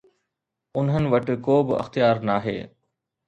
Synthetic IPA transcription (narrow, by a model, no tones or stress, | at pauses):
ʊnɦənɪ̆ʋɐʈ̆koːbɪɐ̰xt̪ɪjaːɾnaːɦḛː